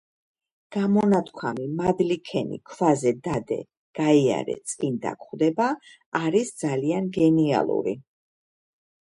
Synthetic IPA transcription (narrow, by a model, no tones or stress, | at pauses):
ɡ̥amɔnat̪ʰkʰwamimad̪likʰɛnḭkʰvazɛd̪ad̪ɛ̰ | ɡ̥aia̰ɾɛ̰t̪sʼind̪a̰kχwd̪ɛbaː | ɾisd̪zalianɡɛnia̰lˠṵɾḭ